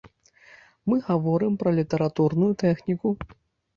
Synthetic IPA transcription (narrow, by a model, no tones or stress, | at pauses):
mɨɣavɔɾɨmpɾɐlʲit̪ɐɾat̪urnujut̪ɛxnʲiku